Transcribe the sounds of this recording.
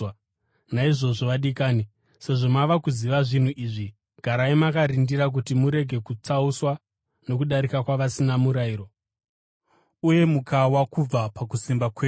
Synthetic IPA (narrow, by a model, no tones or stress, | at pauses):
naiʐo̞ʐoʋaɗikaːni | se̞ʐo̞maʋakuziʋaʐin̤uʔiːʐi | ɡʱaɾaimakaɾindiɾak̬utimuɾe̞ɡʱe̞kut͡sauswa | no̞kuɗaɾikakwaʋasinamuɾaiːro̞ | uje̞mukʰawakub͡vapakusimbakweː